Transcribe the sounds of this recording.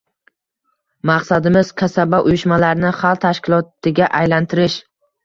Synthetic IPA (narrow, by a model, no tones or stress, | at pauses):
maqsad̪ɪmɪz̥kʲʰasabaʔʊjʊʃmalaɾnɪχalˠt̪ʰaʃkʲɪlˠɒt̪ɪɡʲaʔajlant̪ʰɪɾɪʃ